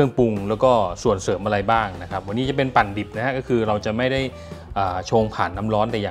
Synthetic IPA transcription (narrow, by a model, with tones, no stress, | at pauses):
ɯ˥˩əŋpu˧ŋlɛː˦˥wkɔː˥˩su˨˩ənsɤː˩˦mʔa˧ɾa˧jbaː˥˩ŋna˦˥kʰa˦˥p̚wa˧nːiː˦˥t͡ɕa˨˩pe˧npa˨˩nbi˨˩p̚na˦˥kʰa˦˥ʔkɔː˥˩kʰɯː˧ɾa˧wt͡ɕa˨˩ma˥˩jda˥˩j | ʔaː˨˩t͡ɕʰoː˧ŋpʰaː˨˩nːa˦˥mɾɔː˦˥nt̪ɛː˨˩jaː˨